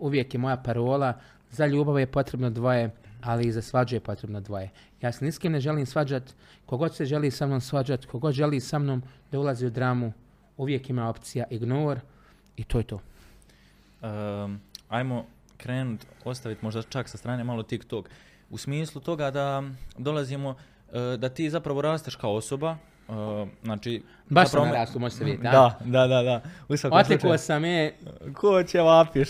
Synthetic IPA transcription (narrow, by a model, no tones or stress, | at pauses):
uʋje̞kjemo̞japaɾoːlˠa | zaʎuːbaʋeje̞po̞t̪ɾe̞bnod̪ʋo̞je̞aliːzasʋad͡ʒuje̞po̞t̪ɾe̞bnod̪ʋo̞je̞ | jaːseniskimneʒe̞liːmsʋad͡ʑat̪ | ko̞ɡo̞d̪se̞ʒe̞liːsamnoːmsʋad͡ʒat̪kʰo̞ɡo̞d̪ʒe̞liːsamnoːmd̪aulˠaziːud̪ɾaːmu | uʋje̞kimaːo̞pt̪sijaʔiɡnoːɾ | it̪oːjet̪oː | ə | ajmo̞ | kɾeːnut̪o̞st̪aʋit̪mo̞ʒd̪at͡ʃaksast̪ɾaːnemalo̞t̪ikt̪oːk | usmiːslˠut̪o̞ɡad̪ad̪o̞lˠazimo̞ | d̪at̪iːzapɾaʋo̞ɾaːst̪eʃkao̞so̞ba | znaːt͡ʃiː | baʃapɾoaɾaːsomoʒseʋidead̪ad̪ad̪ad̪ausʋakot̪ekoːsamekʰoːt͡ɕeʋapiʃ